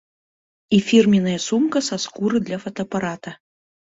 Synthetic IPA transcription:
ifʲirmʲinɐjɐsumkɐsaskuɾɨd̪lʲɐfɐt̪ɐːpaɾat̪ɐ

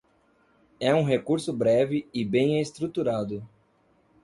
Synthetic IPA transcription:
ɛũɦekuɾsʊbɾɛvɪɪbẽj̃est̪ɾut̪uɾad̪ʊ

